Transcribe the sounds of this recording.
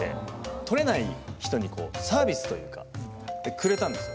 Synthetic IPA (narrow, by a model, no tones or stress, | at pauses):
ḛt̪o̞ɾe̞naiçi̥t̪o̞ɲ̟iko̞̰ːsaːbʲisɨ̥t̪o̞jɯ̟ːka̰ | d̪̥ekɯ̟ɾe̞t̪ãnd̪e̞sɨ